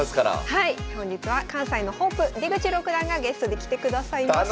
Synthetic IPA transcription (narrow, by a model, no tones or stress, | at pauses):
askaɾa̰haihõ̞ɲ̟d͡ʑit͡sɨβakãɰ̃saino̞ho̞pːɯ̟ɾʲiɡɯ̟t͡ɕiɾo̞kɯ̟d̪ãŋɡaɡe̞sɨ̥t̪o̞d̪e̞kʲi̥t̪e̞kɯ̟d̪asaima